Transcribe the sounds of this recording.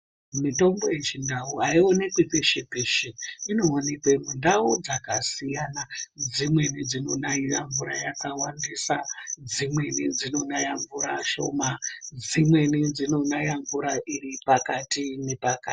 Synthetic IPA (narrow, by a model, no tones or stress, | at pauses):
mito̞mbo̞e̞t͡ʃindauaionekepeʃepeʃeino̞ːnekwemundaud͡zakasijanad͡zimwe̞nid͡zino̞naijaɱvuɾajakawandisad͡zimwe̞nid͡zino̞najaɱvuɾaʃo̞̰mad͡zimwe̞nid͡zino̞najaɱvuɾaʔiripakatine̞paka̰t